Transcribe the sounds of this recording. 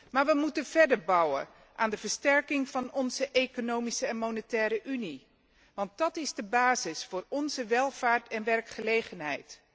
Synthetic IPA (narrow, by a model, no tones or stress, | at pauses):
maːɹʋəmutənv̥ɛɹdəɹbʌwə̰ | ʔaːndəvəɹstɛɹkɪŋv̥ɑnɔnzəʔejkonowmisəɛnmonətɛːɾəʔyni | ʋɑnt̚dɑtɪzdəbaːzɪsfʊːɹɔnzəʋɛlˠv̥aːɹtɛnʋɛrkχəlejχənɦɛ̰jt